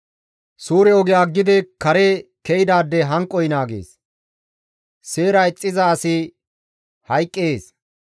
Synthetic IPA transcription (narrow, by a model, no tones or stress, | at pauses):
suːɾɛɔɡɪjaːɡːɪd̪ɛkɐɾekɛjɪd̪aːd̪ːɛɦɐŋkʼːɔjɪnaːɡḛːs | se̞ːɾɐɪt͡sʼːɪzɐːsɪ | hɐjkʼːeːs